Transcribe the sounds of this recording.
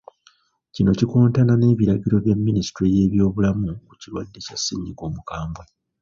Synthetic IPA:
cino̞ciko̞ːntanane̞ːβiɾaɟiɾo̞βjemːinisi̥tweje̞ːβjo̞ːβulamuku̥cilwadːe̞casːḭːɲɟiko̞ːmukaːmbwe

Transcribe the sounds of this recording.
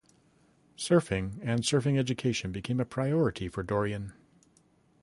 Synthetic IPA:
sɜ˞fɪ̃ŋɨ̃nsɜ˞fɪ̃ŋɛd͡ʒɨkʰeɪʃɨ̃nbɨkʰẽɪ̃mɨpʰɹ̥aɪɔɹɨɾifə˞dɔɹiɨ̃n

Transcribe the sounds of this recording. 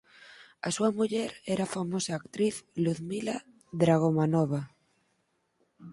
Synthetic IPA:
asuamuʎɛɾɛɾafamosaːkt̪ɾiθluθmila | ðɾaɣ̞omanɔβ̞a

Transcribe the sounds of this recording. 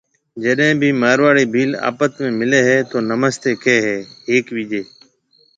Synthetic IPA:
d͡ʒəɗɦẽːbʱiːmaːɾʋaːɽiːbʱiːla̰ːpət̪mẽːmɪleːɦɛːt̪oːnəməst̪eːkʰeːɦɛːɦeːkʋiːd͡ʒeː

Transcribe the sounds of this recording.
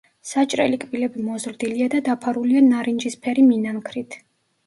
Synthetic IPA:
sat͡ʃʼɾɛ̰likʼbilɛbimɔzɾd̪iliad̪ad̪apʰaɾulianaɾind͡ʒispʰɛɾiminaŋkʰɾit̪ʰ

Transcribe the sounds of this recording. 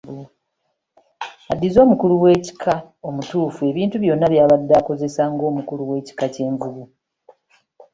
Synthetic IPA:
adːizo̞ːmukuluwe̞ːci̥kʰa | o̞mutuːfue̞βiːntuβjo̞nːaβjaːβadːaːko̞ze̞saŋɡo̞ːmukuluwe̞ːci̥kace̞ːɱvuβu

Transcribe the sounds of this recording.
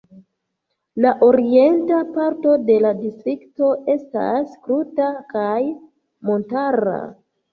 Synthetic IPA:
laʔo̞ɾie̞ntapaɾto̞de̞ladistɾikto̞ʔe̞sta̰skɾutakaj | mo̞ntaɾa̰

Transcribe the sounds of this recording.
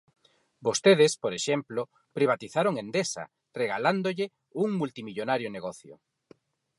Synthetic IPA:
bost̪eð̞eɪspoɾeʃemplo | pɾiβ̞at̪iθaɾoŋẽnd̪esa̰ | reɣaland̪oʎɪ | uŋmult̪imiʎonaɾjoneɣɔθjo̰

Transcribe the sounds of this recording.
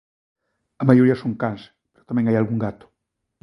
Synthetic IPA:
ɐmajoɾiɐsõŋkãns | peɾo̥t̪amɛ̃ŋajalɣuŋɡat̪ʊ̥

